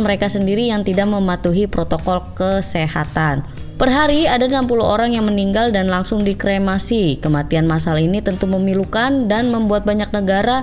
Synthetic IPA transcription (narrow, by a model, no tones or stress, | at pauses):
məɾekasəndiɾijaŋt̪idaʔməmat̪uɦipɾot̪okɔlkəsehat̪an | pərɦaɾiadanampuluɦo̰ɾaŋjaŋməniŋɡaldanlaŋsʊŋdikɾemasikəmat̪ianmas̬alinit̪ənt̪uməmilukandanməmbuat̪̚baɲak̚nəɡaɾa